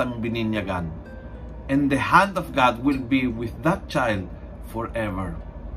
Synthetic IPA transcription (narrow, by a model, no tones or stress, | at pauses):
ãŋbinĩnaɡãn | ɛ̃nd̪əhæ̃ndɔvɡad̚wɪlbiwɪθðat̚t͡ʃajlˠd | fɔɹɛvə˞